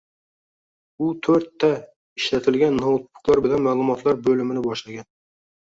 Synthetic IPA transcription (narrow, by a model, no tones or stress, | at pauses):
ʊt̪ʰɵɾt̪ʰːa | ɪʃlat̪ʰɪlɡʲanːɒwt̪̚pʊ̥qlˠaɾbɪlanmaːlˠʊmɒt̪ʰlaɾbɵlɪmɪnɪbɒʃlaɡʲan